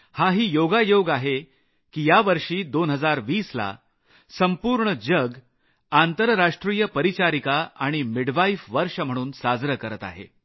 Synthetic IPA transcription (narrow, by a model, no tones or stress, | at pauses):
haɦiːjoɡajoɡaɦe | kiːjaʋəɾʂiːd̪onɦəd͡zaɾʋiːsla̰ | səmpuːɾɳəd͡ʑəɡ | ant̪əɾːaʂʈɾiːjəpəɾit͡ɕaɾikaaɽ̃imiɽʋaifʋəɾʂəm̤əɽ̃uːnsad͡zɾəkəɾət̪a̰ɦḛ